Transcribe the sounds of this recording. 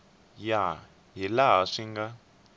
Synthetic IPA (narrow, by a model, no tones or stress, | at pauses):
ja | ɦilaɦaʂiŋɡa